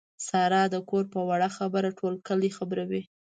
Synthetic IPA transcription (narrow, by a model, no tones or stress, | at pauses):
sɑɾɑd̪əkoɾpəwaɽaxabəɾaʈʰolkəlexabɾawi